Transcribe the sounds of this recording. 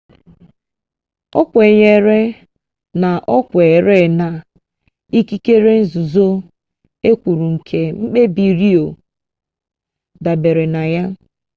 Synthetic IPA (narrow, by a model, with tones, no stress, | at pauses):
ɔ̰˦kʷe˨ɲe˨ɾe˦ | na˨ʔɔ˦kʷe˨ɾe˦˨na˨ | i˦ki˦ke˦ɾe˦n̩˦zu˨zo˦ | e˦kʷu˨ɾu˨ŋ̩˨kʰe˨ŋ͡m̩˦k͡pe˦bi˨ɾi˦o˨ | da˨be˨ɾe˨na˨ja˦